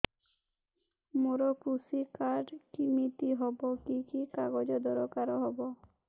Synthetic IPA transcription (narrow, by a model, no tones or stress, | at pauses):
moɾɔkɾusikaɾɖkimit̪iɦɔbɔkikikaɡɔd͡ʒɔd̪ɔɾɔkaɾɔɦɔbɔ